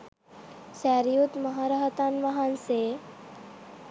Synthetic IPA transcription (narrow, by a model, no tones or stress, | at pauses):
sɛːɾijut̪mɐɦaɾaɦət̪anʋɐɦanse